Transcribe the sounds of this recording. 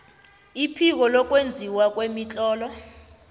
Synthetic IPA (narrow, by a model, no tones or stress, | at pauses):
ipʰik̬ɔlɔk̬wend͡zʱiwak̬wemit͡ɬʼɔːlɔ